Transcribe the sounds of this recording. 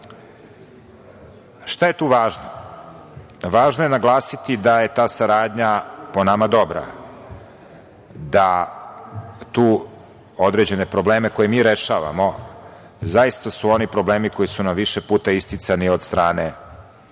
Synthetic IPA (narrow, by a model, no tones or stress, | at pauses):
ʃt̪aje̞t̪uːʋaːʒno | ʋaːʒnoje̞naɡlˠaːsit̪id̪aje̞t̪aːsaɾaːd̪ɲaponamad̪o̞bɾa̰ | d̪a | t̪uː | od̪ɾe̞d͡ʑe̞ne̞pɾo̞bleːmeko̞jemiːɾe̞ʃaːʋa̰mo̞ | zajist̪asuo̞nipɾo̞bleːmiko̞jisunamʋiʃepuːt̪aist̪it̪saniod̪st̪ɾaːne